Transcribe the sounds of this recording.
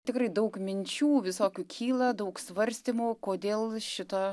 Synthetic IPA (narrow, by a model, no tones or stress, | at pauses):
t̪ʲɪkɾɐɪd̪ɐʊkmʲɪnʲt͡ʃʲuːʋʲɪsoːkʲukʲʰiːlˠɐd̪ɐʊksʋɐɾʲsʲt̪ʲimuːkoːd̪ʲeːlˠʃʲɪt̪ɐ